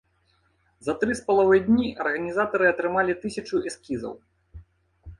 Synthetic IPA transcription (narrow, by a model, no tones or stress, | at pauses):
zɐt̪ɾɨspɐlˠavɨjd̪ʲnʲiʔɐrɣɐnʲizat̪ɐɾɨɐt̪ɾɨmalʲit̪ɨsʲɐt͡ʂuɛskʲizɐ̰w